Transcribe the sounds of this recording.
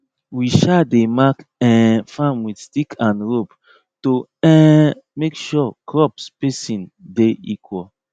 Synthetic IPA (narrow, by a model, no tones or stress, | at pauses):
wiʃademakɛ̃fãmwidstikʰãnɹop | toɛ̃mekʃɔkɹɔpspesĩndeikʰwɔl